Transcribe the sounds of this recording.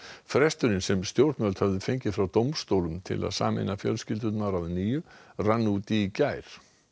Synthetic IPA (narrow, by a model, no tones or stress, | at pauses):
fɾɛst̪ʏɾɪnsɛmst̪jowɾt̪nvœlt̪havðʏfeɲcɪfɾawt̪owmst̪owlʏmt̪ʰɪ̰la̰ðsa̰ːmɪ̰nafjœ̰lscɪlt̪ʏt̪naɾawðniːjʏranːut̪iːcaːjɾ̥